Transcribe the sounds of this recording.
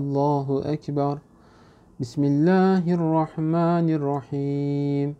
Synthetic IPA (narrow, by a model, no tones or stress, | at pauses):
lˤːaːɦʔakbɑɾˤ | bɪsmɪlːaːɦʔrˤːɑħmaːnɪrˤːɑħiːm